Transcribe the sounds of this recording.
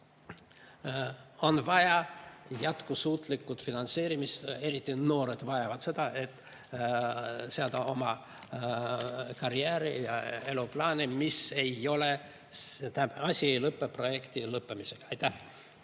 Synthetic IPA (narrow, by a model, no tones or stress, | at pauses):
o̞nvɑjɑjæt̪kusuːt̪ˑlikːˑut̪finɑnt̪se̞ːɾimist̪e̞ɾit̪ːino̞ːɾe̞d̪vɑjɑvɑd̪̥se̞d̪̥ɑe̞t̪ː | seɑld̪ɑo̞mɑ | kɑɾjæːɾijɑe̞luplɑːnimise̞jo̞le̞ | t̪æbɑsʲie̞jlɤpːepro̞je̞kt̪ilɤpːˑemise̞ɡ̥ɑɑjt̪ːˑæh